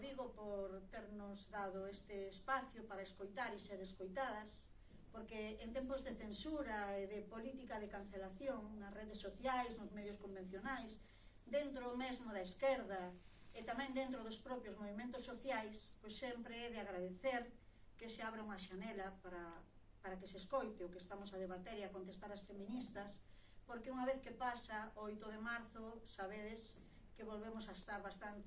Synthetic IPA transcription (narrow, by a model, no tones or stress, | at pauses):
ðiɣopoɾt̪eɾnʊzðaðoest̪ɪːspaθjopaɾɐeskojt̪aɾiseɾeskojt̪aðɐs | poɾkeːnt̪empʊzðeθensuɾaeðepolit̪ikaðekan̟θelaθjoŋnɐsreðesːoθjajsnʊzmeðjʊskombẽn̟θjonajs | d̪ent̪ɾomezmʊðɐeskeɾðɐet̪amɛ̃ŋd̪ent̪ɾoðʊspɾɔpjozmoβimẽnt̪ʊsːoθjajspojssːempɾeɛðɪaɣɾaðeθeɾ | keseaβɾauŋɐʃanɛlapaɾa | paɾakeseskojt̪eokest̪amosaðeβat̪eɾiakont̪est̪aɾasfemĩnist̪ɐs | poɾkeuŋaβeθkepasaojt̪ʊðemaɾθʊsaβeðes | keβolβemʊsaest̪aɾβast̪ant̪